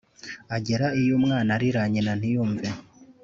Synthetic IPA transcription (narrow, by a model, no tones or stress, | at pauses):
aɟeɾaijomŋaːnaɾiɾaɲinan̥ijuːɱve